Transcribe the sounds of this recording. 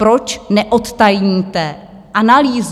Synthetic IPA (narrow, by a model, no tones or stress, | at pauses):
pɾot͡ʃnɛʔot̪t̪ajɲiːt̪ɛ | ʔanaliːz